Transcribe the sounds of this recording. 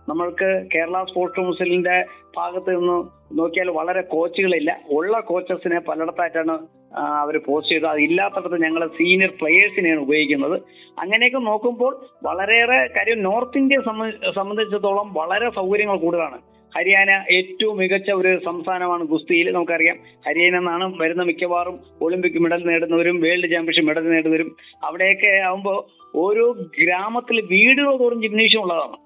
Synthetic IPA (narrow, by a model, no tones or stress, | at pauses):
nɐmːɐɭkɨke̞ːɾɐɭaspo̞ːsʈɐmusɐlindeb̥ʱa̰ːɣɐt̪ːɨenːɨ | no̞ːkːijaːlʋɐɭɐɾe̞ko̞ːt͡ɕːiɣɐɭilːɐoɭːɐko̞ːt͡ɕːɐrsinɨpɐlːɐɽɐt̪ːaːjtːaːɳɨ | ɐʋɐɾpo̞ːst͡ɕe̞jɨðuɐðilːaːt̪ːɐɽɐt̪ːeɲɐŋːɐɭsiːnjɐrpɭejeːʈsinejaɳɨubɐjoɣikʲːunːɐðɨ | ɐ̰ŋːɐne̞k̬ːɨno̞ːkːumbo̞ːɭʋɐɭɐɾerekaːɾjɐmno̞ːrt̪ːinde̞sɐmsɐmbɐnd̪ʱit͡ɕːɐt̪ːo̞ːɭɐmʋɐɭɐɾe̞sɐwkɐɾjɐŋːɐɭkuːɽiðaːɳɨ̰ | hɐɾijaːnɐʔe̞ːtːɐʋumːiɣɐt͡ɕːɐo̞ɾusɐmst̪ʰaːnɐmaːɳɨɡust̪ijilnɐmukːɐrijːaːmhɐɾijaːnenːaːɳɨʋɐɾunːɐmikʲːɐʋaːrum | o̞ːɭimpikʲːɨmiɽɐlneːɽunːɐʋɐɾumʋeːɭɖit͡ɕːjaːmkɐkʂemiɽɐlneːɽuʋɐɾum | ɐʋiɽe̞jokːe̞ɐʋumbo̞ː | oɾoːɡɾaːmɐt̪ːilʋiːɽɨɣɐɭoðoːrumd͡ʑiminiːʂ̬jɐmuɭːɐðaːɳɨ̰